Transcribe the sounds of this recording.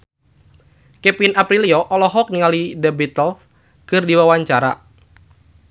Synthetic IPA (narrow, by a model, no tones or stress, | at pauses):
kɛpinapɾiliɔʔɔlɔɦɔk̚niŋalidɛbit̪ɔlf | kɨrdiwawaɲt͡ʃaɾa̰